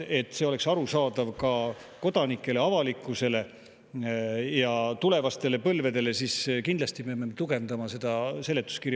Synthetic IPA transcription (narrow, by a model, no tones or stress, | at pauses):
e̞t̪ːˑse̞o̞le̞ksɑɾusɑːd̪ɑvkɑ | ko̞d̪̥ɑnikːˑe̞leɑvɑlikˑːuse̞le̞ | jɑt̪ule̞vɑst̪e̞le̞pɤlve̞d̪e̞le̞siskind̪lɑst̪ipeɑmːet̪uɡe̞nd̪ɑmɑse̞d̪̥ɑse̞le̞t̪ːˑu̥skiɾj